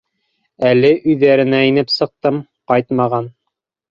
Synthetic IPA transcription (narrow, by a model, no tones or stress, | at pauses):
ælɘʔʉjðæɾɘ̆næinɘpsɤ̆q̚t̪ɤm | qɑjt̪mɑʁɑn